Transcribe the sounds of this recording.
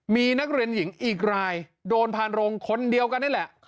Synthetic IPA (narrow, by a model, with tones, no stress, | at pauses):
miː˧na˦˥k̚ɾi˧ənji˩˦ŋʔiː˨˩k̚ɾaː˧jdoː˧npʰaː˧nɾo˧ŋkʰo˧ndi˧əwka˧nːa˥˩˨lɛ˨˩ʔ